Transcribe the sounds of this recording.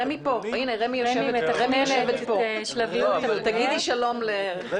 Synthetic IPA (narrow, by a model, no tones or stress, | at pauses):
emipo̞ineʁemijoʃevet̪ʁemijjoʃevet̪povit̪aɡid̪iʃalo̞mle